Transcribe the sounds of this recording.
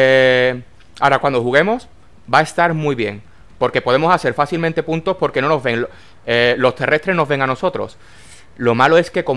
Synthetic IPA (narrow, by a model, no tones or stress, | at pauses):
e | aɾakwand̪ohuɣe̞mo̞s | bae̞st̪aɾmwuiβje̞ŋ | po̞ɾke̞po̞ðe̞mo̞sase̞ɾfaθilmẽnt̪e̞punt̪o̞spo̞ɾke̞no̞no̞zβe̞ŋ | elo̞st̪e̞rʔe̞st̪ɾe̞no̞zβe̞ŋano̞so̞t̪ɾo̞̰s | lo̞malo̞e̞ske̞ko̞